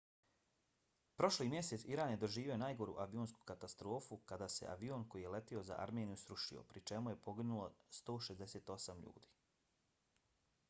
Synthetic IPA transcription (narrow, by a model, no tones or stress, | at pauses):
pɾo̞ʃlimje̞set̪siɾaːnjed̪o̞ʒiːʋio̞najɡo̞ɾṵʔaʋioːnsku̥kat̪ast̪ɾo̞ːfukad̪aːse̞̰ʔa̰ʋioːnko̞jijele̞t̪io̞za̰ʔa̰ɾmeːnijusɾuʃḭo̰pɾit͡ʃe̞muje̞po̞ɡinulˠo̞st̪o̞ːʃezd̪eseːt̪o̞samʎṵːd̪i̥ː